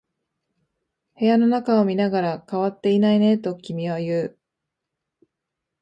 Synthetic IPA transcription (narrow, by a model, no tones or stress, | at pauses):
he̞jano̞nakao̞mʲinaɡaɾakaβat̪ːe̞inaine̞t̪o̞kʲimʲiβajɯ̟ː